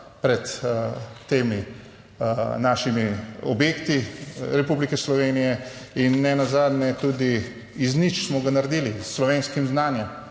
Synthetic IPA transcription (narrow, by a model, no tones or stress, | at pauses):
pɾɛt̪ː | eːmi | naːʃimiɔbjeːkt̪iɾɛpublikɛslɔʋeːnijɛinːɛnazaːd̪nɛt̪uːd̪i | iznit͡ʃsmɔɡanaɾd̪iːlisːlɔʋeːnskimznaːnjɛm